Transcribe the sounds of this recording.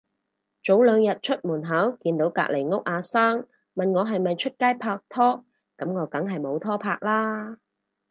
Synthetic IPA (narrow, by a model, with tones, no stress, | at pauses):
t͡ʃo˨˥wlœː˨˧ŋjɐ˨t̚t͡ʃʰɵ˥t̚muː˨˩nɦɐː˨˥wkiː˧nt̪o˨˥wka̰ː˧k̚le˨˩jŋʊ˥k̚ʔaː˨˧saː˥ŋ | mɐ˨nŋɔː˨˧ɦɐ˨jmɐ˨jt͡ʃʰɵ˥t̚kaː˥jpʰaː˧k̚t̪ʰɔː˥ | kɐ˨˥mŋɔː˨˧kɐ˨˥ŋɦɐ˨jmo˨˧wt̪ʰɔː˥pʰaː˧k̚laː˥